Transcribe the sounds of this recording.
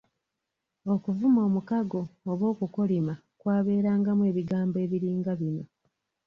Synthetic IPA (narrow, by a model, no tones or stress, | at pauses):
o̞kuvumo̞ːmukaɡo̞ːβo̞ːkukolima | kwaːβe̞ːɾaːŋɡamwe̞ːβiɡaːmbe̞ːβiɾiːŋɡaβino̞̰